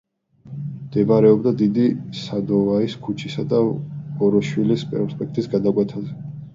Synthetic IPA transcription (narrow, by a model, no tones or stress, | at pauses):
md̪ɛbaɾɛɔbd̪ad̪id̪isad̪ɔvaiskʰut͡ʃʰisad̪aɔɾɔʃwilispʼɛɾɔspʼɛk̚ʰt̪ʼisɡad̪akʼwɛt̪ʰazɛ